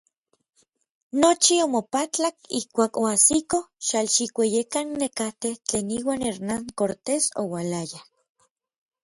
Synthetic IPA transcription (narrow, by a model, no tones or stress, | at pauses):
not͡ʃiomopat͡ɬakihkʷaːkoasikoʃalʃikʷejekanːekat̪eht͡ɬeːniːwaːneɾnaŋkoɾt̪eso̰walaja